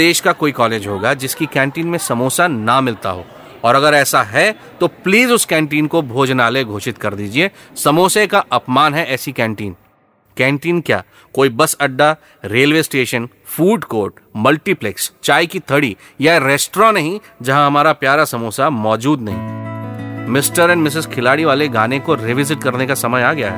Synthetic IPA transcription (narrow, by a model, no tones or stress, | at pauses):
eːʃkakoːikɔːleːd͡ʒɦoːɡad͡ʒɪskikɛ̃ːɳʈiːnmẽsɐmoːsanamɪlt̪a̰ɦoː | ɔːɾɐɡəɾɛːsaɦɛ | t̪opliːzʊskɛ̃ːɳʈiːnkobʱoːd͡ʒnaːleɡʱoːʃɪt̪kɐɾd̪iːd͡ʒiesɐmoːsekaʔɐpmaːnɦɛʔɛːsikɛ̃ːɳʈiːn | kɛ̃ːɳʈiːnkja̰ː | koːibɐsɐɖːa | ɾeːlʋeːsʈeːʃən | fuːɖkoːɾʈmɐlʈiplɛkst͡ʃaːikit̪ʰɐɽi | jaeɾeːsʈɾɔ̃ːnɐɦĩ | d͡ʒɐɦãɦɐmaːɾapjaːɾasɐmoːsamɔːd͡ʒuːd̪nɐɦḭ̃ː | mɪsʈəɾɛ̃ɳɖmɪs̬ɪzkʰɪlaːɽiʋaːleɡaːnekoɾɪʋɪzɪʈ̚kɐɾnekasɐməjaːɡɐjaɦɛ̰ː